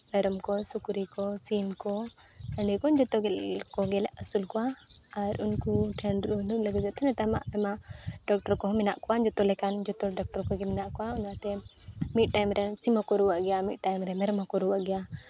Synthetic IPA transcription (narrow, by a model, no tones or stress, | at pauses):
bɛɾɔmkɔsukɾikɔsimkɔ | əɳɖikɔnd͡ʒɔt̪ɔɡɛlkɔɡɛlɛʔəsulkɔwa | aɾunkuʈʰɛɳɾuluʔləɡɛd͡ʒat̪ʰɛnɛt̪ama̰ʔɛmaɖɔk̚ʈɔɾkɔɦminaʔkɔwand͡ʒɔt̪ɔlɛkand͡ʒɔt̪ɔɖɔk̚ʈɔɾkɔɡɛminaʔkɔwaunat̪ɛmiʈ̚ʈajmɾɛsimɔkɔɾuwaʔɡɛjamit̚ʈajmɾɛmɛɾmakɔɾuwaʔɡɛja